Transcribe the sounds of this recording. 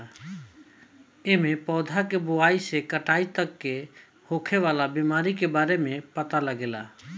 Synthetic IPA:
emẽpɔːd̪ʱakebʊaːisekəʈaːit̪əkːe | hoːkʰeʋaːlabimaːɾikebaːɾemẽpət̪aləɡeːla̰

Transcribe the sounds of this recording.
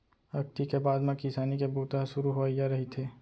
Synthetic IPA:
ɐk̚t̪ikebaːd̪mẽkɪsaːnikebuːt̪aɦʃʊɾuɦojaɾɐɦit̪ʰeː

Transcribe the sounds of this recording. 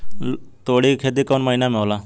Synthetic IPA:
t̪oːɽiːkʰeːd̪iːkoːnməiːnaːmẽoːlaː

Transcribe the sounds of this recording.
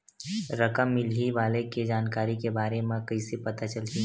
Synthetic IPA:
ɾɐkəmːɪliʋaːleked͡ʒaːnkaːɾikebaːɾemẽkɐisepɐt̪at͡ʃəlt̪iː

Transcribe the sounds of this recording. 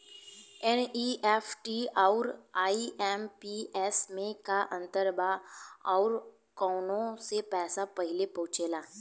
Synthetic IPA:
ɛniɛːfʈiɔːɾaːiɛːmpiɛːsmẽkaʔə̃nt̪əɾbaɔːɾ | kɔːnõsepɛːsapɐɦɪlepɔ̃ɦʊt͡ʃeːlaː

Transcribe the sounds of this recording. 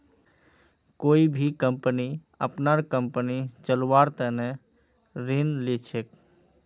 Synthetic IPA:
koibʱikəmpəni | ə̰pnaɾkəmpənit͡ʃəlwaɾt̪əne | ɾinlit͡ʃʰek

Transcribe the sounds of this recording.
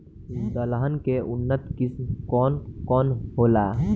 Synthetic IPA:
mt̪əlaɦənkeʔʊnːət̪kismkɔːnkɔːnɦoːlaː

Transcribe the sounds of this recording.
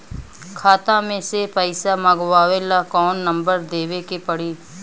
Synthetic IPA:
kʰaːt̪amẽsepəɪsaməɡʋaːʋelakɔːnːə̃mbəɾd̪eːʋekepəɽiː

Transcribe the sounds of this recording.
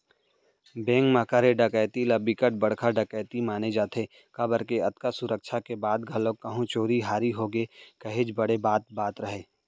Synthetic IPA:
bẽːŋkmaːkaːɾeɖɐkəːjt̪ilabikəʈ̚bɐɽkʰaɖɐkəːt̪imaːned͡ʒaːt̪ʰe | kabəɾkeɐt̪kasʊɾək̚ʃʰakebaːd̪ɡʱɐlokɐɦõt͡ʃoːɾiɦaːɾiɦoːɡekɐɦed͡ʒbɐɽebaːt̪̚baːt̪ɾɐɦeː

